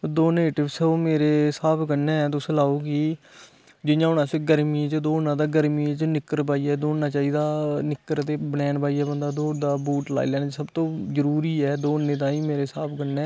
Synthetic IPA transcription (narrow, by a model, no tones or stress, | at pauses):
d̪oːneːʈɪbsoːmeːɾeːsaːpʰkənɛːɛt̪ʊslaːoːɡiː | d͡ʒɪjãːʊnãːseːɡəɾmiːt͡ʃd̪oːnãːd̪aːɡəɾmiːt͡ʃnɪkːəɾpaːiːɛːd̪oːnnaːt͡ʃaːiːd̪aːnɪkːəɾt̪eːbəɽɛːnpaːiːɛːbənd̪aːd̪oːd̪aːbuːʈla̰ːḭlɛːnaːd͡ʒsəbt̪õːzəɾuːɾiːɛːd̪oːnːẽːd̪ãːiːmeːɾeːsaːpʰkənɛː